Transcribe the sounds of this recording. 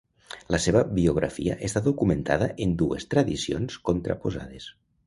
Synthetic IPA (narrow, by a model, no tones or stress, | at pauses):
ləseβəbioɣ̞ɾa̰fiə̰ʔest̪aðokument̪aðəʔend̪uest̪ɾaðisionskont̪ɾa̰poza̰ð̞es